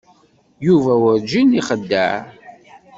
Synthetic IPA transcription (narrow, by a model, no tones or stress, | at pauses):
juvæwəɾd͡ʒiniχəd̪ːə̰ʕ